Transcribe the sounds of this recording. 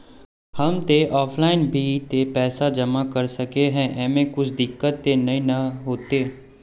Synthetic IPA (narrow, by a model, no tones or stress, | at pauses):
hɐmt̪eʔɔːpʰlaːɪnbʱit̪epɛːsad͡ʒɐmakɐɾsɐkeɦɛ̃ʔɛːmẽkʊt͡ʃʰd̪ɪkːət̪ːenɐɦĩnɐɦoːt̪eː